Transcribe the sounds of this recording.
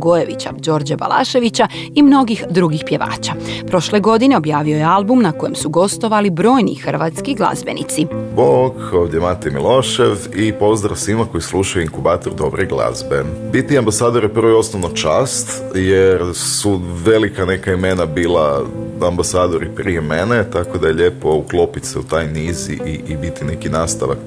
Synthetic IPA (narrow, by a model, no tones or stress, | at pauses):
ɡojeʋḭt͡ɕa̰d͡ʒo̞ːɾd͡ʑaba̰lˠʔa̰ʃe̞ʋit͡ɕa | imno̞ɡixd̪ɾuɡixpje̞ʋa̰ːt͡ɕapɾo̞ʃle̞ɡo̞d̪ine̞o̞bjaːʋiojealbumnakojemsuɡo̞st̪o̞ʋalibɾo̞ːjnḭxr̩ʋat̪skiɡlˠa̰zbe̞̰nḭt̪siboɡoːvd̪ʲjemat̪emilˠo̞ʃeʋipo̞zd̪ɾa̰fsʋimako̞jislˠuʃajuiŋkubaːt̪oɾd̪o̞bɾeɡlˠa̰zbebit̪iambasaːd̪o̞ɾipr̩ʋojo̞snoʋnot͡ʃaːst̪ | jeɾsuʋelikanekaimenabiːlˠaambasaːd̪o̞ɾipɾijemenet̪akod̪aje̞ʎe̞ːpo̞uklˠopit̪seut̪ajniːzḭʔiʔibit̪inekinaːst̪aʋa̰k